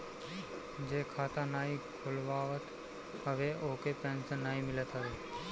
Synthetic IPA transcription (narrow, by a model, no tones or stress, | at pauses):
d͡ʒeːkʰaːt̪ãːnaːikʰʊlʋaːʋət̪ | əʋeʔoːkepɛ̃ːnsə̃naːimɪlət̪ɦəʋeː